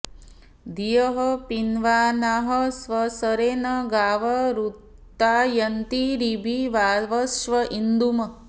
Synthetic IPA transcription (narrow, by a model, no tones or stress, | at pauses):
d̪ijɐɦɐpinʋaːnaɦɐsʋɐsɐɾeːnɐɡaːʋɐɾut̪ːaːjɐnt̪iɾibʱiʋaːʋɐsʋɐʔind̪umɐ